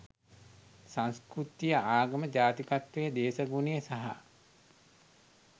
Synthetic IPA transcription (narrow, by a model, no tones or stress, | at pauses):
sanskɾut̪ijəaːɡəməd͡ʒaːt̪ikat̪ʋejəd̪eːsəɡunejəsaɦa̰